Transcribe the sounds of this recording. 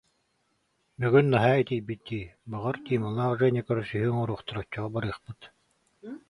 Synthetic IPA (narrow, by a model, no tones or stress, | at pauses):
byɡynːaɦaːit̪ijbit̪̚d̪iːbaʁaɾt̪iːmalˠaːʁʒɛnʲikɔɾsyɦyːŋɔɾuːχt̪ɔɾɔt͡ɕːɔʁɔbaɾɯːχpɯt̪